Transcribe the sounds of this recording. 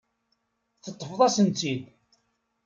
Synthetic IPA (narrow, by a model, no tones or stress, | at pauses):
θət̪ˤːəfðˤɑsənt̪id̪